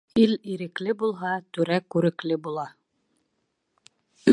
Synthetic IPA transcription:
iliɾɘ̆klɘbulˠɦɑt̪ʉɾækːʉɾɘ̆klɘbulˠɑ

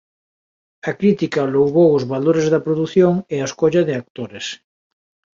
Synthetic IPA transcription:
ɐkɾit̪ikɐlowβowʊzβaloɾezðɐpɾoðuθjoŋeaeskoʎɐðɪak̚t̪oɾes

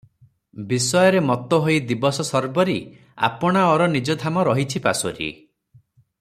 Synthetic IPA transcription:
bisɔjɔɾemɔt̪ɔɦojd̪ibɔsɔsɔɾbɔɾi | a̰pɔɽ̃aɔɾɔnid͡ʒɔd̪ʱamɔɾɔɦit͡ʃʰipa̰sɔ̰ɾḭ

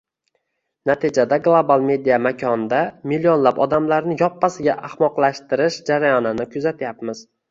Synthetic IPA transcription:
nat̪ʰɪd͡ʒad̪aɡlˠobalˠme̞d̪ijamakʲʰɒnd̪amilijonlapɒ̰d̪amlaɾnɪjɒpːasɪɡʲaʔahmɒqlˠaʃt̪ɪɾɪʃd͡ʒaɾajɒnɪnɪkʰʊzat̪ʰjapmɪz̥

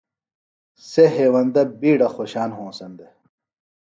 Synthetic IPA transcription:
seɦeːwɐnd̪ɐbiːɽɐxoɕaːnɦõːsɐnd̪e

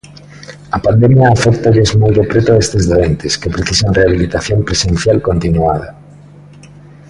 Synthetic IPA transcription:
ɐpand̪emjaːfɛk̚t̪aʎezmojrepɾet̪oest̪ezðoent̪eskepɾeθisanreaβilit̪aθjompɾesẽn̟θjalkont̪inua̰ðɐ

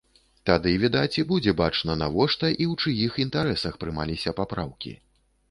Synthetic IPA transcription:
t̪ad̪ɨvʲid̪at͡sʲibud͡zʲɛbat͡ʂnɐnavɔʂt̪ɐʔiwt͡ʂɨjixint̪aɾɛsɐxpɾɨmalʲisʲɐpapɾa̰wkʲḭ

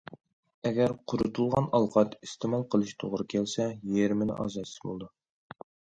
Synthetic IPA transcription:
ɛɡʲæɾqʰʊɾut̪ʰulˠʁɑnɑlˠqɑt̪ist̪emɑlˠqʰəlˠɨʃt̪ʰoʁɾɨkʲʰælsɛjeɾmɪnɪ̰ʔɑ̰ːzɑt̪sɪ̥zbolˠd̪u

